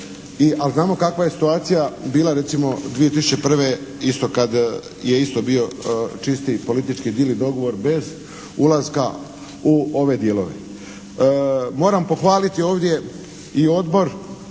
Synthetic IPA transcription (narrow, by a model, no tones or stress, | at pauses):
iʔalznaːmo̞kakʋaje̞si̥t̪uaːt̪sijabiːlˠaɾe̞t̪simo̞d̪ʋije̞t̪isu̥t͡ɕe̞pr̩ʋe̞ist̪o̞kad̪ | je̞ist̪o̞bio̞t͡ʃist̪ipo̞lit̪it͡ʃkid̪ilid̪o̞ɡo̞ʋo̞ɾbe̞z | ulˠazka̰ | uo̞ʋe̞d̪je̞lo̞ʋe̞̰ | mo̞ːɾampo̞xʋaːlit̪io̞ːʋd̪je̞ | io̞d̪bo̞ɾ